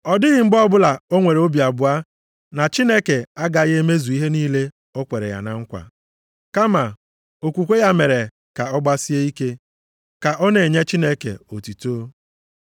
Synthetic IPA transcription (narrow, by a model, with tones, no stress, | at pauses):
ɔ˨dɪ˦ɣɪ˨m̩˦ɡ͡bɔ˦bʊ˦la˨o˦ŋʷe˨ɾe˨o˦bi˨a˨bʊ˨a˦ | na˨t͡ʃi˦ne˦ke˨a˦ɡa˨ɣe˦me˦zu˨i˦ɦe˦niː˦le˦ | o˦kʷe˨ɾḛ˨ja̰˨na̰˨ŋ̩˦kʷa̰˨ | ka˦ma˨ | o˨kʷu˨kʷe˦ja˦me˨ɾe˨ | ka˨ɔ˦ɡ͡ba˦si˦e˦i˦ke˦ | ka˨ʔɔ˦ne˨ɲe˦t͡ʃi˦ne˦kḛ˨o˨tu˨toː˦